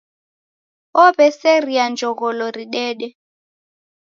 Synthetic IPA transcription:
ɔbɛsɛriand͡ʒʱɔɣɔlɔɾiɗɛːɗɛ

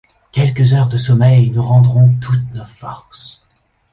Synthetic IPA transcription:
kʲɛlkəzœʁd̪əsɔmɛjnuʁɑ̃d̪ʁɔ̃t̪ʰut̪nofɔʁs

